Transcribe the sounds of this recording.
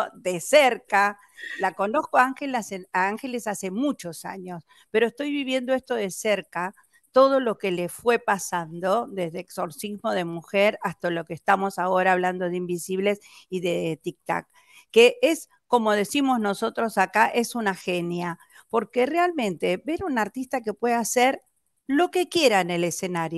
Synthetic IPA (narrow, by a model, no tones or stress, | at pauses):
ðeseɾka | lako̞no̞skoaŋxelaseaaŋxe̞lesase̞mut͡ʃo̞sa̰ɲo̞s | peɾoest̪o̞jβiβ̞je̞nd̪oest̪o̞ð̞e̞seɾka | t̪o̞ð̞o̞lo̞ke̞lefwe̞pasand̪o̞d̪ezðeːkso̞ɾsizmo̞ð̞emuxeɾast̪alo̞keːst̪amo̞sao̞ɾaːβland̪o̞ðeimbisiβle̞siðet̪ik̚t̪a̰kː | eʔes | ko̞mo̞ð̞e̞simo̞zno̞so̞t̪ɾo̞sakaʔesunaxenja | po̞ɾke̞realmẽ̞nt̪e̞βe̞ɾunaɾt̪ist̪ake̞pwe̞ðaseɾ | lo̞ke̞kje̞ɾaene̞lese̞naɾjo